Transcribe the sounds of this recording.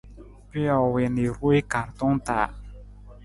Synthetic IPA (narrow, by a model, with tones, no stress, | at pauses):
pi˦ɔ˨we˨ne˨ɾu˦e˦ka˨ɾt̪ɔ̃˦ŋt̪a̰˨